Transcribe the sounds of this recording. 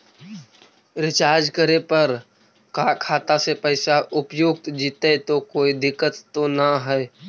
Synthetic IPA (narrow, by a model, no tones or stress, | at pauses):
ɾɪt͡ʃaːɾd͡ʒkəɾepɐɾ | kaːkʰaːt̪asepəɪsaʔʊpjʊɡ̚t̪d͡ʒiːt̪et̪okoːid̪ɪkːət̪ːonaɦɛ